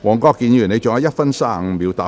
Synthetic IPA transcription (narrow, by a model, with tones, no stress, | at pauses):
wɔː˨˩ŋkɔː˧kːiː˨˧njyː˨˩ne˨˧jt͡ʃʊ˨ŋaː˨˥jɐ˥t̚fɐ˥nsaː˥˩˨miː˨˧wt̪aː˨